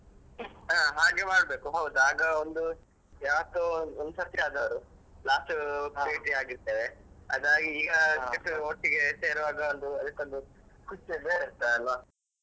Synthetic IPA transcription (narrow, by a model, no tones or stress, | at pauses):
aːɦaːɡemaːɽbe̞ːkuɦɐwd̪uaːɡɐond̪u | jaːʋɐt̪ːuɐnd̪usɐkt̪iaːd̪ɐʋɐɾu | laːsʈupeːʈiaːɡiɾt̪eːʋeɐd̪aːɡiiːɡɐeʈːuoʈːiɡeseːɾɐʋaːɡɐond̪uɐlikːond̪ukust͡ʃebeːɾiɾt̪aɐlʋɐ